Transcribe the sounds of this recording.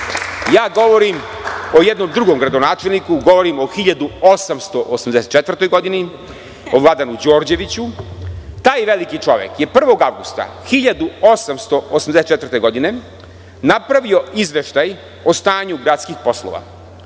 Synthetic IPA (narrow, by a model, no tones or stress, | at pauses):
jaːɡo̞ʋo̞ɾimo̞jed̪no̞md̪ɾuɡo̞mɡɾad̪onaːt͡ʃelnikuɡo̞ʋo̞ɾimo̞xiʎad̪uo̞samst̪oʔosamd̪eset̪t͡ʃet̪ʋərt̪o̞jɡo̞d̪ini | oʋlˠad̪anud͡ʑo̞ːɾd͡ʑe̞ʋit͡ɕu | t̪aːjʋelikit͡ʃo̞ʋjḛkje̞pr̩ʋo̞ɡaʋɡust̪a̰xiʎad̪uo̞samst̪o̞osamd̪esett͡ʃet̪vr̩t̪e̞ɡo̞d̪ine̞ | napɾaʋio̞izʋe̞ʃt̪aj | ost̪aːɲuɡɾat̪skixpo̞slˠo̰ʋa̰